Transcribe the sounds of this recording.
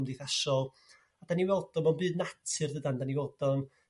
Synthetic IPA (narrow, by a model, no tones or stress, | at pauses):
mdejθaʃɔlˠ | adaniwɛlˠdɔmɔnbɨːdnatʰɨrðədandaniwɛlˠdɔn